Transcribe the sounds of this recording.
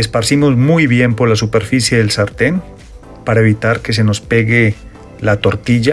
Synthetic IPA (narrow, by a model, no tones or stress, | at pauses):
espaɾsimo̞zmujβje̞mpo̞ɾlasupe̞ɾfisje̞ðe̞lsaɾt̪e̞n | paɾaeβ̞it̪aɾke̞s̬e̞no̞spe̞ɣe | lat̪o̞ɾt̪iʝa